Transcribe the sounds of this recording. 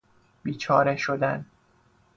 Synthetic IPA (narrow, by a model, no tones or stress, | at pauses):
b̥iːt͡ʃʰɒːɾeʃod̪æn